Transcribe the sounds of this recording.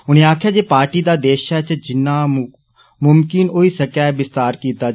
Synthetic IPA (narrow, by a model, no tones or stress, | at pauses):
ʊnẽːaːkʰjaːd͡ʒeːpaːɾʈiːd̪aːd̪eːʃaːt͡ʃd͡ʒɪnːaː | mʊmkɪnoːiːsəkɛːbɪst̪aːɾkiːt̪aː